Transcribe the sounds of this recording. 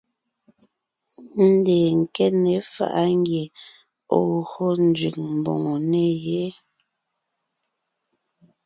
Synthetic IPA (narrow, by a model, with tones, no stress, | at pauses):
n̩˦˨˦dɛ˨ŋ̩˨kɛ˦ne˨˦fa̰˨ʔa˦ŋ˦ɡje˨ | o˦˨ɣo˦n̩˨d͡ʒɥʉ˨k̚m̩˨bo̰˨ŋo˨ne˦je˦